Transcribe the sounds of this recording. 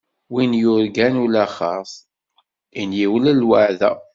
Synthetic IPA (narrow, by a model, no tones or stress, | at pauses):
winjʊɾɡænulæχɑsˤ | injiwələlwaʕðæ̰